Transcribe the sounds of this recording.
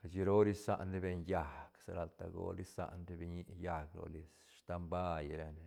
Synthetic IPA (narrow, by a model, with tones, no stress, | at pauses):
ka˨t͡ʃi˧ɾo˦ɾi˦sa̰˦ʔnɾi˦be˧ɲja˨ksa̰˨ɾa˧lt̪a̰˧ɡo̰˧ɾi˦sa̰˦ʔnɾi˦bi˧ɲi˦ja˧ɡlo̰˨li˧s | ʂt̪a˧mba˦jɾe˧ne˨